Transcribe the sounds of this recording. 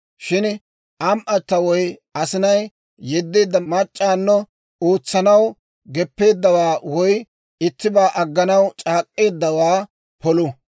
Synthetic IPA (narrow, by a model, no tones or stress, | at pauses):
ʃɪn | ʔɐmʔɐt̪ːɐwɔjɐsɪnɐj | jɛd̪ːeːd̪ːɐmɐt͡ʃʼːaːnːɔ | oːt͡sːɐnɐw | ɡɛpːe̞ːd̪ːɐwaːwɔj | ɪt̪ːɪbaːʔɐɡːɐnɐwt͡ʃʼaːkʼːe̞ːd̪ːɐwaː | pɔlʊ